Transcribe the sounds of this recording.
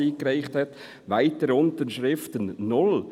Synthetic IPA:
iːkɾaɪχthɛt | ʋaɪtəɾʊntənʃɾɪftənnʊl

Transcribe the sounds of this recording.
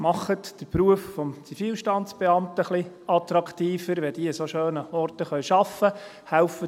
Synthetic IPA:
mɑχətd̥əɾpɾuəffɔmt͡sifiːlʃtɑnt͡sb̥ɛɑmtəχli | ɑt̪ɾɑkt̪iːfəɾʋɛd̥iːəsoʃøːnəɔrtəχœʏɥʃɑfːə | hæʊfə

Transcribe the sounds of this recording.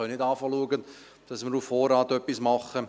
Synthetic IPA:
œnɪdɑːfɑluəɡən | d̥ɑsməɾufːoːrɑːtœpːismɑχə

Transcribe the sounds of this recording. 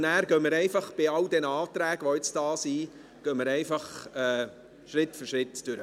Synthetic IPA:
næːɾɡœməɾɛɪfɑχb̥ɪɑld̪ɛnɑːt̪ɾæːɡ̥əʋoɪt͡sd̥ɑːsi | ɡ̥œməɾɛɪfɑχɛː | ʃɾɪtːfʏɾʃɾɪt̪d̥ʏɾə

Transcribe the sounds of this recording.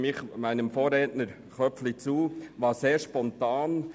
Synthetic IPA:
mɪχmæɪnəmfoːɾɛːtnəɾ | χœpflit͡suːʋɑːseːɾʃpɔntɑːn

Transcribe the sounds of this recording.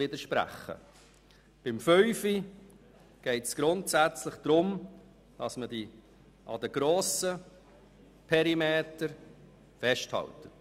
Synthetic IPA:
ɪdəʃpɾæ̰χːə̰ | b̥ɪmfœʏfi | ɡ̥ɛɪtsɡ̥ɾʊntsæt͡slɪχd̥ɾʊm | d̥ɑsmədi | ʔɑdəɡ̥ɾoːsə | pʰɛɾimeːtəɾ | fɛʃthɑ̰ltə

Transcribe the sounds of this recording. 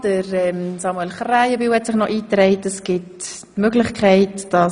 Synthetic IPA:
d̥əɾɛmsɑmuɛlχrajəbywhɛtsɪχnɔʔiːtɾɛɪtəsɡ̥ɪt | møɡlɪχkʰχɛɪtd̥ɑ

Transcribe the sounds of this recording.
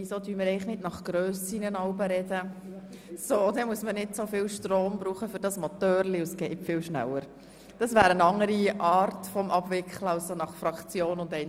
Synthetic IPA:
isodyːməɾɛɪχnɪd̥nɑχɡ̥ɾøːsinənɑʊbəɾɛdə | sod̪ɛmuəsmənɪdsofɪːlʃtɾoːmbɾuːχəfʏɾd̥ɑsmɔtœːɾliʊsɡ̥ɛɪtfɪːwʃnæ̰lːəɾ | d̥ɑsvæːɾənɑŋːəɾiʔɑːɾtfɔmʔɑbvɪkχləɑʊsonɑχfɾɑkt͡sjoːnʊndɛɪn

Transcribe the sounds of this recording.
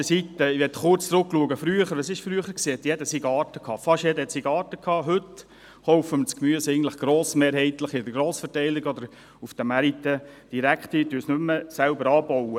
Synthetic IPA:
əsit̪ːəiʋɛtχʊrt͡st͡sɾʊkːluəɡəfɾyːəχəɾʋəsɪʃfɾyəχəɾksiːhɛt̪jɛdəsiɡɑːɾtəkʰɑːfɑʃjɛdəhɛt̪siɡɑːtəkʰɑːɦɵt | χoʊfəmət͡skmyəsɛɪɡntləχɡ̥ɾɔːsmeːɾɦɛɪtləχɪdəɡɾoːsfətɛɪlɪɡɔd̪əɾ | ufd̥əmæɾit̪ə | d̥iɾækχt̪ityːsnʏmːəsælbəɾɑːbɔwə

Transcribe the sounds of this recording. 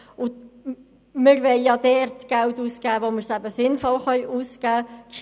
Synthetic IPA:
ʊ | mɪɾʋɛɪjɑd̪ɛɾtɡ̥æltuːskæːʋoməɾsæbəsɪnfɔlχœʏʔuːskæːkʃ

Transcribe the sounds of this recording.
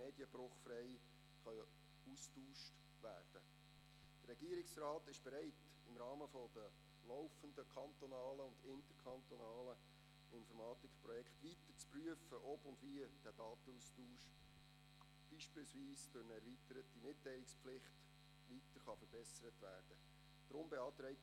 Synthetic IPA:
meːdjəbɾʊχfrɛɪ | χœ | uːstuːʃt | ʋæːrd̥ə | d̥əɾɛɡ̥iəɾɪksraːtɪʃb̥ɛɾæɪt | ɪmɾɑːməfɔdə | lɔʊfəndəkʰɑnt̪ɔnɑːləʊndɪntəɾkʰχɑnt̪ɔnɑːlə | ɪnfɔɾmɑːt̪ɪkprɔjɛkχtʋitərt͡spryəfəʔɔbʊndʋiəd̥æːd̥ɑːt̪əustuːʃ | b̥iːʃpɪːlsviːsd̥ʊɾnəɛɾʋitəɾətimɪtːæɪlɪkspflɪχt | ʋitəɾχɑfəɾb̥ɛsəɾətʋæːrd̥ə | d̥ɾʊmbɛɑːt̪ɾɛɪt

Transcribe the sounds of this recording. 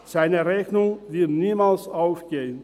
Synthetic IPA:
z̥aɪnəʁɛçnʊŋvɪɐtniːmaːlsaʊfɡ̥eːən

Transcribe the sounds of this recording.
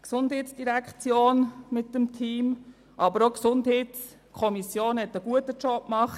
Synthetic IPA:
ksʊnd̥hɛːtsd̥iɾækt͡sjoːnmɪtːəmtʰiːm | ʔɑbəɾoksʊndɦɛts | kʰɔmisjoːnhɛtəɡuətət͡ʃɔb̚mɑχt

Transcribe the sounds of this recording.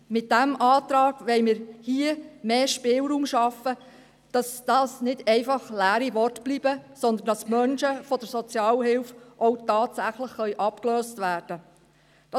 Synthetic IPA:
mɪt̚d̥æmʔɑːt̪ɾɑːɡ̥ʋɛɪmɪːɾhiəmeːʃpɪːlɾuːmʃɑfə | d̥ɑsd̥ɑːsnɪdɛɪfɑχlæːɾiʋɔrtb̥libəsɔnd̪ən̩d̥ɑsmœnʃəfɔd̥əɾsɔt͡sjɑːlhɪlfʔoʊtɑːtsæχləχχœʏʔɑpkløːstʋæːɾd̥ə | d̥ɑ

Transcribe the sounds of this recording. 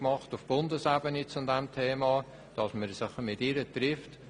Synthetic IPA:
mɑχtʊfb̥ʊndəsæbənit͡sʊdɛmtʰeːmɑː | d̥ɑsməɾsɪχmɪtɪɾətɾɪft

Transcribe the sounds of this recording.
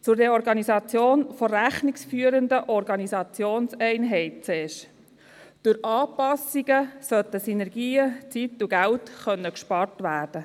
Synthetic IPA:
t͡sʊɾdeɾɔɾɡɑnisɑt͡sjoːnfɔɾæχniksfyːəɾənd̪əʔɔɾɡɑnisɑt͡sjoːnsɛɪnɦɛɪt̚t͡sɛːʃ | d̥ʊɾɑːpɑsiɡəsœt̪əsinɛɾɡiːət͡situɡæltχœnːəkʃpɑɾtʋæːɾd̥ə

